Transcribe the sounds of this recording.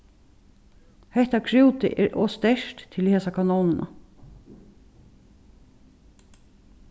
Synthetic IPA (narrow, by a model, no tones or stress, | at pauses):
hɛht̪akʰɾuwt̪ɪ̰ʔɛːɹʔɔːst̪ɛʂt̪t̪ʰːɪlheːsakʰanɔːnɪnʔa̰